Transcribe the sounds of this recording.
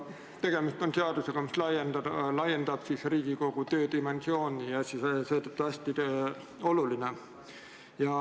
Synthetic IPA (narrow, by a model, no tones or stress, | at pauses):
t̪e̞ɡ̥e̞mist̪o̞nseɑd̪̥use̞ɡ̥ɑmislɑjend̪̥ɑd̪lɑje̞nd̪̥ɑb̥sisriːɡ̥iko̞ɡ̥ut̪ø̞ːd̪ime̞nsio̞ːnʲijɑsisse̞ːt̪ot̪ːˑuɑsʲt̪i | o̞luline | jɑ